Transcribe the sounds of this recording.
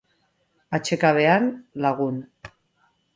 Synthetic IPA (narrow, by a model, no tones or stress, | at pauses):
at͡ʃe̞kaβ̞e̞anlaɣun